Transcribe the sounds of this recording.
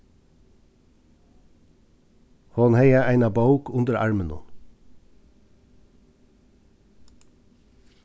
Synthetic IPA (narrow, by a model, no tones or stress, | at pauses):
hoːnheɪəʔæɪnɑbɑʊkʊnd̪əɾʔɑ̰ɹmənɔ̰n